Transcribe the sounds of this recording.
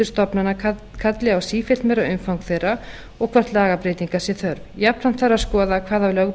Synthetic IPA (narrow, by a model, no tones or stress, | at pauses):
ʏɾ̥st̪ɔpnana | kʰat̪lɪawsiːfɪlt̪mɛɾaʏmfawŋkθejɾa | ɔɣkʰvar̥t̪laːɣapɾeːjt̪iŋkasjɛθœɾvjapnanθarːaðskɔːðakʰvaːðavlœɣ